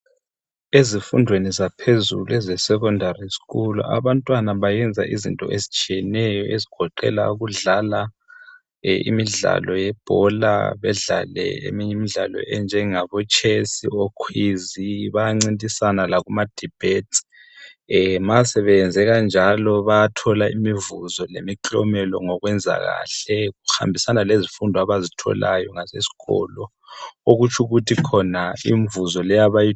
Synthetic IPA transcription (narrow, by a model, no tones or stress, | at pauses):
ezifundʱwenizapʰezṵluɛzɛsɛkɔndʱarisi̥ɣulṵʔa̰βantʼwanaβajɛnd͡zʱaʔizḭntʼɔ̰ʔezit͡ʃʼijɛnɛjɔʔeziɡ̥ʱɔǃɛ̰la̰uɣuɮala | ḭmiɮa̰lɔjɛb̥ʱɔla̰βɛɮa̰lɛ̰ḛmiɲɛmiɮalɔ̰ɛnd͡ʒʱɛŋaβɔt͡ʃʼʰesḭokʰwiziβajaŋ͡ǀintʼisanalaɣumad̥ʱib̥ʱetʰ | masɛβɛnd͡zʱɛɣand͡ʒʱalɔβajatʰɔlaimivuzɔlemiǁʼɔ̰mɛlɔŋɔɣwɛnd͡zʱa̰ɣa̰ɬɛɣuxa̰mbʱisanalezifundʱɔaβazitʰɔ̰lajɔŋasḛsi̥ɣɔ̰lɔ | oɣut͡ʃʰuɣutʰikʰɔnaiɱvuzɔlɛjaβaji